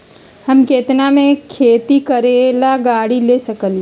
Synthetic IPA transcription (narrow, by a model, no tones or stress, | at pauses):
hɐmkeːt̪namẽkʰeːt̪ikɐɾeːlaɡaːɽileːsɐkəl